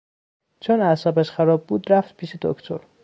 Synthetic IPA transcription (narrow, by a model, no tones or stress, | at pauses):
t͡ʃʰonæsɒːbæʃxæɾɒːb̚ːuːd̪ɾæft̪pʰiːʃed̪o̰kt̪ʰoɾ